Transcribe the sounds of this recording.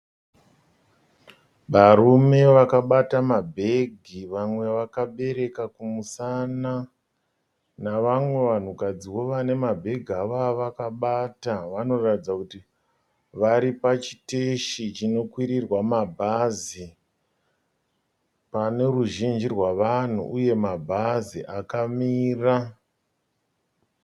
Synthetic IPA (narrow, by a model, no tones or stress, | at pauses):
ʋaɾume̞ʋakaɓatamabʱe̞ɡʱiʋamwe̞ʋakaɓe̞ɾe̞kakumusana | naʋamwe̞ʋan̤ukad͡ziwo̞ʋane̞mabʱe̞ɡʱaʋaʋakaɓataʋano̞ratid͡zakuti | ʋaɾipat͡ʃi̥teʃit͡ʃino̞kwiɾirwamabʱazi | pane̞ruʒind͡ʒirwaʋan̤ṵʔuje̞mabʱaziʔakamiːra